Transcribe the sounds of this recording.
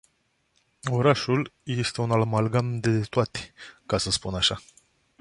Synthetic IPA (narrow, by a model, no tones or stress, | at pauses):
o̞ɾaʃulje̞st̪e̞unalmalɡand̪et̪oat̪e̥kasəspunaʃa